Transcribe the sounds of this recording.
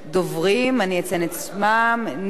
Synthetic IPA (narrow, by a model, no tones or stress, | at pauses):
dovʁimaniat͡senett͡smamn